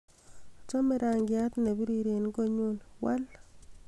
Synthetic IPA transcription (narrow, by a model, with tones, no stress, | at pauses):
t͡ʃo˦me˦ɾa˨ŋɡɪ˨a˦tne˨bu˦ɾi˨ɾe˨n˦ko˦ɲu˦nwʔa̰˦l